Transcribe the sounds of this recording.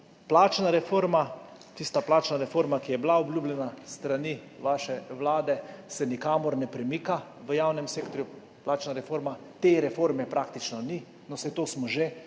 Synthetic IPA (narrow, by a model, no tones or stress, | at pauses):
plaːt͡ʃnaɾɛfoːɾma | t̪ist̪aplaːt͡ʃnaɾɛfoːɾmakijɛblaɔblʲjuːblʲjɛnast̪ɾaniʋaʃɛʋlaːd̪ɛsɛnikaːmɔɾnɛpɾɛmiːka | ʋəjawnɛmseːkt̪ɔɾju | plaːt͡ʃnaɾɛfoːɾmat̪eːɾɛfoːɾmɛpɾakt̪it͡ʃnɔni | nɔsɛjt̪oːsmɔʒe